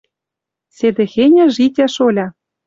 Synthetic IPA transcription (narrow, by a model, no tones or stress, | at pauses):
sed̪ĕxenʲɘ̆ʒitʲæʃolʲɑ